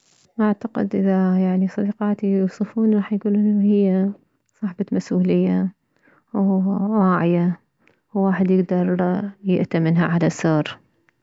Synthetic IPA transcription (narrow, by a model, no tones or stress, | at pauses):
ʔaʕt̪aqɪ̰d̪ʔɪðajaʕnisˤɑd̪ɑqɑːt̪ijuːsˤɨfuːnɾˤɑːħjɡuːlʔɪnːahɪjːa | sˤɑħbɑmasʔuːlɪjːa | wwaːʕɪja | wːaːħɪd̪jɪɡd̪ɑɾˤjɪʔt̪amɪnɦaʕalasːoːɾ